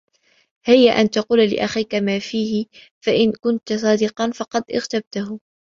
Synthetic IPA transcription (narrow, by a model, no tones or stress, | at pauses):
hɪjːaʔant̪ɑquːllɪ̰ʔaxiːkamaːfiːhɪ | faʔɪnkʊnt̪sˤɑːd̪ɪqɑnfɑqɑd̪ʔɪ̰ɣt̪ab̚t̪aɦʊ